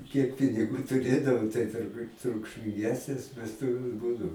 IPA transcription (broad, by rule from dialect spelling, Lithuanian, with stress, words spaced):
kʲiɛk pʲɪnʲɪˈɡuː tʊˈrʲeːdɐʋoː tɐɪ tʊrˈbuːt trʊkʃʲmʲɪŋʲˈɡʲæːsʲnʲeːs ʋʲɛsˈtʊʋʲeːs ˈbuːdɐʊ